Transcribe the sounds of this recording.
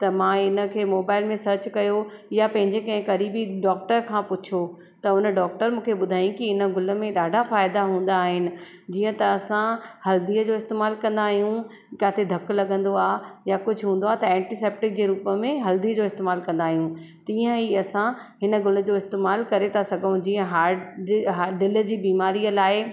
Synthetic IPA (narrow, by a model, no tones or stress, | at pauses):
t̪ɐmãːɪnə̆kʰeːmoːbaːɪlmẽsɐɾt͡ɕkɐjo | japɐ̃ɦɪ̃ɲd͡ʑekɐ̃ɦɪ̃kɐɾiːbiɖɔːk̚ʈəɾkʰãːpʊt͡ɕʰo | t̪ɐʊnəɖɔːk̚ʈəɾmũːkʰeɓʊd̪ʱaːĩkiɪnə̆ɡʊlə̆mẽɗaːɖʱafaːɪd̪aɦũːn̆d̪aːɦɪnɪ̆ | d͡ʑiːə̃t̪ɐːsãhɐld̪iːəd͡ʑoːɪst̪eːmaːlkɐ̃nd̪aːɦijũ | kaːt̪ʰed̪ʱɐklɐɠə̃nd̪oaːjakʊd͡ʑʱʊɦũːnd̪oaɦt̪ɐɛ̃ːʈiseːp̚ʈɪk̚d͡ʑeːɾuːpəmẽɦɐld̪iːəd͡ʑoːɪst̪eːmaːlkɐ̃nd̪aːɦijũt̪ĩːə̃iɐsã | ɦɪnə̆ɡʊlə̆d͡ʑoːɪst̪eːmaːlkɐɾet̪ʰasɐɡʱũd͡ʑiːə̃ɦaːɦaɖɪləd͡ʑiːbiːmaːɾijəlaːɪ